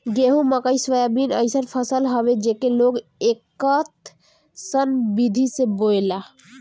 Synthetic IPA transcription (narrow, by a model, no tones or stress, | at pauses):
ɡeɦũməkəjsʋəjabinə̰jsənpʰəsəlɦɔbed͡ʒekeloɡekət̪ | sənbid̪ʱisebojla